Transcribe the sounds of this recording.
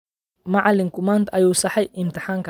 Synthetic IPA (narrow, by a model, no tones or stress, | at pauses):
maʕlɪŋkʰʊmaːnt̪ɐjuːsɑħɛjɪmt̪ʰɪħaːŋkʰ